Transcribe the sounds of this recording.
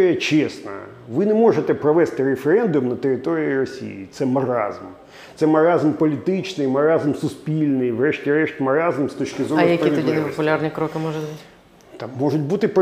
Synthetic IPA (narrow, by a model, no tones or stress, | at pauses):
ɪjɐt͡ʃɛsnɐ̰ | ʋɪnɛmɔʒet̪ɛpɾɔʋɛst̪ɪɾefeɾɛnd̪ʊmnɐt̪eɾʲɪt̪ɔɾʲiirɔsʲḭjḭt̪sɛmɐɾɑ̰zm | t̪sɛmɐɾɑzmpɔlʲit̪ɪt͡ʃnɪjmɐɾɑzm̩sʊspʲilʲnɪjʋrɛʃtʲiɾɛʃtʲmɐɾɑzm̩st̪ɔt͡ʃkʲɪzɔjɐkiɔd̪ʲinɪpɔpʊlʲarnʲikɾɔkɪmɔʒʊbutʲ | t̪ɑmːɔʒʊt̚ʲbut̪ɪp